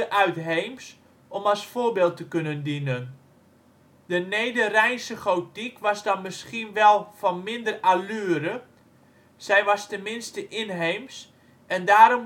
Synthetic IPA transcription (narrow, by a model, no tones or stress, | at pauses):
əʔœɥtɦejms | ʔɔmɑlˠsfoːbeːlˠtəkønəndinən | d̥ənejdərɛjnsəχowtikʋɑsdɔnmɪskinʋɛlˠfɔnmɪndəralyːəɾə | sɛjʋɑstɛnmɪnstəʔɪnɦejms | ɛndaːɾɔm